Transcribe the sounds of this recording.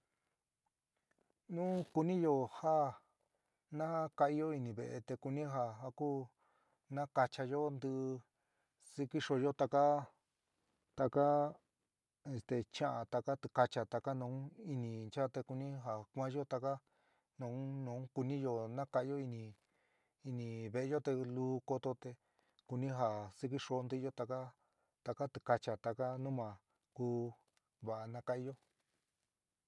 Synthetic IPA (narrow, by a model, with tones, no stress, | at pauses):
nũ˦ku˧nĩ˦jo˧˨ha˦ | nã˦ha˦ka˧i˧jo˦i˧nĩ˨βḛ˧˨ʔḛ˧t̪e˧ku˧nĩ˦ɦa˧ɦa˧kuː˦ | nã˦ka˧t͡ʃa˧jo˦nd̪ɨ˧ | si˧ki˦ʂo˧jo˦t̪a˧ka˦ | t̪a˧ka˦ | e˧˨st̪e˨t͡ʃã˦ʔã˨t̪a˧ka˦t̪u˧˨ka˧t͡ʃa˧t̪a˧ka˦nũ˧˦i˧nĩ˨nt͡ʃa˦t̪e˧ku˧nĩ˦ɦa˨kʷã˦ʒo˦t̪a˧ka˦ | nũ˨˦nũː˨˦ku˧nĩ˦jo˧nã˦ka˧˦˧jo˦i˧nĩ˧ | i˧nĩ˧˨βe˧e˧˦o˦t̪e˧luː˦ko˧t̪o˧t̪e˧ | ku˧nĩ˦ɦa˨si˧ki˦ʂo˧˦nd̪i˦˧jo˦t̪a˧ka˦ | t̪a˧ka˦t̪i˧˨ka˧t͡ʃa˨t̪a˧ka˦nũ˦mã˨ | kuː˦ | βa˨ʔa˧nã˦ka˦i˧jo˦